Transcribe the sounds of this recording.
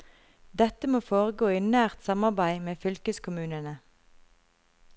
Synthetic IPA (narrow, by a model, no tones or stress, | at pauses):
d̪ɛt̪əmoːfoːʁəɡoːiːnæːʁt̪sɑmɑʁbæɪmeːfʏlkəskʰʊmʉːnənə